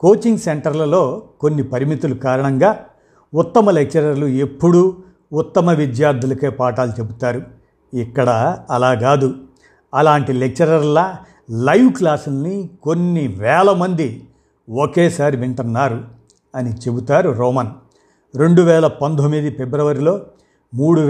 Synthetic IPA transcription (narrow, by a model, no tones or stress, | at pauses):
ko̞ːt͡ʃiŋɡse̞ɳʈɐɾlɐlo̞ːko̞nːipɐɾimit̪ulukaːɾɐɳɐŋɡaː | ut̪ːɐmɐle̞k̚t͡ʃɐɾɐɾluepːuɽu | ut̪ːɐmɐʋid̪jaːɾd̪ʱulɐkeːpaːʈaːlit͡ʃe̞but̪aːɾu | ikːɐɽɐɐlaːɡaːd̪u | ɐlaːɳʈile̞k̚t͡ʃɐɾɐɾlɐ | lɐjʋklaːsulniko̞nːiʋɛːlɐmɐnd̪i | okeːsaːɾiʋiɳʈunːaːɾu | ɐnit͡ʃe̞but̪aːɾuɾoːmɐn | ɾe̞ɳɖuʋɛːlɐpɐnd̪ʱomid̪ipe̞bɾɐʋɐɾiloː | muːɽu